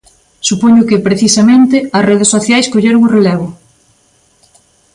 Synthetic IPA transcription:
supoɲʊkɪpɾeθisɐmẽnt̪ɪɐsreðesːoθjajskoʎeɾoŋurelɛβʊ

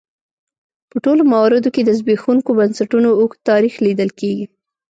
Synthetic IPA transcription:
pəʈolomawɑɾɪd̪oked̪əzbexuŋkobansaʈunoːxt̪ɑɾixlid̪əlkeɡi

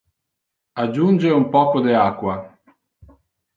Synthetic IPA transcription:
ad͡ʒːund͡ʒeumpɔːkod̪eakwa

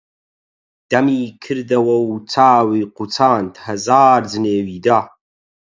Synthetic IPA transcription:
d̪̥ɐmiːkʰɨɾd̪ɐwɐwt͡sʰaːwiːqut͡sʰaːnt̪ʰhɐzaːrd͡zɨneːwiːd̪a

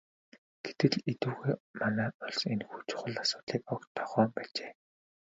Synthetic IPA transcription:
ɡ̥et̪ɘ̆ɮet̪uːɣejmanæːʊɮsenxut͡ɕʰʊ̥χə̆ɮasʊ̥ːt̪ɮiːkɔkt̪ʰːɔχœːmpæːt͡ɕeː

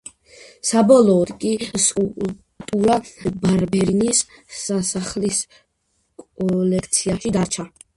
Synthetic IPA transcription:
sabɔlˠɔːd̪kʼisʼul | t̪ʼuɾabaɾbɛɾinisasaχlis | kʼɔlɛkʰt̪sʰiaʃid̪aɾt͡ʃʰa

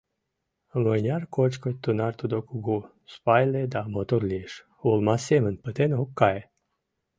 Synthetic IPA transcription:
mənʲarkot͡ʃkɔt̪ːunart̪ud̪okuɡu | spajled̪amot̪oɾlʲiʃ | ulˠmasemənpət̪enokːaje

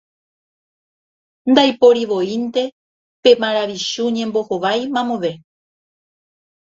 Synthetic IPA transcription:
nd̪ajpo̞ɾiʋo̞int̪e̞ | pe̞maɾaʋiʃuɲẽ̞mbo̞hoʋajmãmõʋe̞

